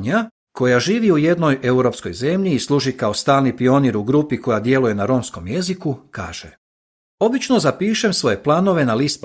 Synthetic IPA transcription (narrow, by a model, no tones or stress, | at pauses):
ɲa | ko̞jaʒiːʋiuje̞d̪no̞jʔe̞uɾo̞psko̞jze̞mʎiːslˠuːʒikao̞st̪aːlnipio̞niɾuɡɾupiko̞jad̪je̞luje̞naɾo̞msko̞mje̞zikuka̰ːʒ̥e | o̞bit͡ʃno̞zapiːʃe̞msʋo̞je̞plˠano̞ʋe̞nalist̪p